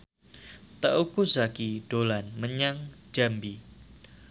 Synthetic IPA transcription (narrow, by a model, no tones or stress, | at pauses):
t̪əukusakid̥olanməɲaŋd͡ʒambi